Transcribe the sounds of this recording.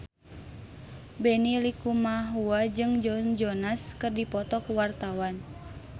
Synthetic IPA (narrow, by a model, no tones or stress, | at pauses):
bɛnilikumaɦuad͡ʒɨŋd͡ʒɔnd͡ʒɔnaskɨrdipɔt̪ɔkuwart̪awan